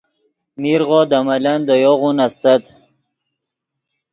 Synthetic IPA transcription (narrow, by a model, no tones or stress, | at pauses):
miɾʁɔd̪amaland̪əjoʁunast̪at̪